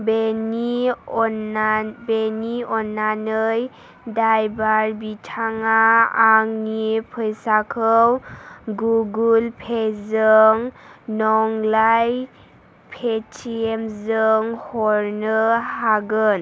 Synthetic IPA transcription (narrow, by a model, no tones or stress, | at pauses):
beni | beniɔnːanɯj | dajbaɾbitʰaŋaːŋnipʰɯjsakʰəwɡuɡulpʰezɯŋnɔŋlaj | pʰetʰiemzɯŋhɔɾnɯhaɡɯn